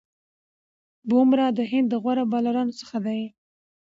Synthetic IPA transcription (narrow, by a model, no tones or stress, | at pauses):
bomɾɑd̪əɦɪnd̪ːəɣwaɾabɑlaɾɑnosə̥xad̪aj